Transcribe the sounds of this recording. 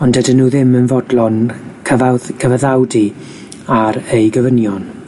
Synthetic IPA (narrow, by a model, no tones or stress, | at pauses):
ɔndədənːuːðɪmənvɔdlˠɔnkʰəvakʰəvəðawdi | aɾejɡəvənjɔn